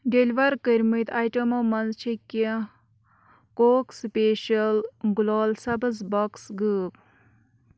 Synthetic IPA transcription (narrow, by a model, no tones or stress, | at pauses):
ɖelʋɐɾkəɾʲmit̪ajʈɐmomɐnzt͡ʃʰikːi | koːkspeːʃɐlɡulaːlsɐbɐzbɔksɡəp̚